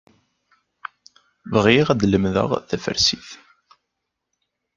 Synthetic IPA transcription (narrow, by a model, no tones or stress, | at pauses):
vəʁiʁæd̪ləmðə̰ʁθæfə̰ɾsiθ